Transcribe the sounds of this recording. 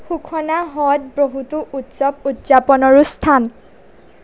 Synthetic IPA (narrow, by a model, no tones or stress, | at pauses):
xukʰɔnaɦɔt̚bɹoɦutuʔutsɔbutz̥apɔnɔɹust̪ʰan